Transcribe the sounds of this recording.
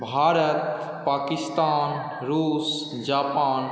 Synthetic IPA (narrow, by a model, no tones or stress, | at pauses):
bʱaːɾət̪ | paːkɪst̪aːn | ɾuːs | d͡ʒaːpaːn